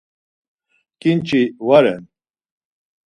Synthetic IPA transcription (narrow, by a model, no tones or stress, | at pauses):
kint͡ʃiwaɾɛ̰n